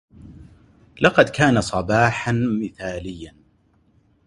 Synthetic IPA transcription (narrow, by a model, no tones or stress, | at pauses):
lɑqɑd̪kaːnasˤɑbɑːħanmɪθaːlɪjːan